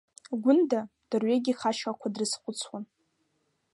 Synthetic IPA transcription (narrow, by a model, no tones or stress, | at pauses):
ɡʷʊndad̥ɨrɥeɡʲiχaʃakʷʰadrɨsqʷʼʊt͡sʰwan